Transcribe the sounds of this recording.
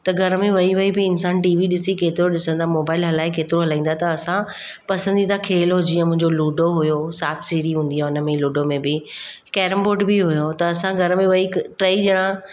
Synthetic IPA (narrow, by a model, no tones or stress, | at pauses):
t̪ɐɡʱɐɾəmẽʋɐiʋɐibɪɪnsaːnʈiːʋiɗɪsikeːt̪ɪɾoɗɪsə̃nd̪amoːbaːɪlɦɐlaːɪkeːt̪ɪɾoɦɐlãːĩːn̆d̪at̪ɐɐsã | pɐsə̃nd̪it̪ʰakʰeːlod͡ʑiːə̃mʊ̃ɦɪ̃ɲd͡ʑoluːɖoɦʊjosaːfsiːɾiɦũːnd̪iɦaʊnə̆mẽluːɖomẽbɪ | kɛːɾəmboːɖbiɦʊjot̪ɐːsãɡʱɐɾəmẽʋɐiʈɾeːiʄɐɽ̃ã